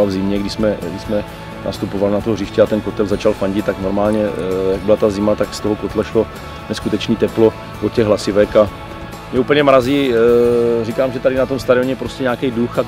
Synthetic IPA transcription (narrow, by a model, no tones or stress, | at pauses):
avzɪmɲɛɡdɪsmɛɡdɪsmɛ | nʔa̰st̪upovalɪnat̪orɪʃcɛat̪ɛnkot̪ɛlzat͡ʃalfaɲɟɪt̪ːakno̞ɾmaːlɲɛjaɡ̚bɪlat̪azɪmat̪akst̪oɦokot̪lɛʃlo̞ | nɛskut̪ɛt͡ʃniːt̪ɛplo̞ | vocɛɣɦlasɪvɛka | mɲɛupl̩ɲɛmɾaziː | rikaːmʒɛt̪aɾɪnat̪omst̪aɾɪoɲɛpɾoscʲɛɲaːkɛjduxa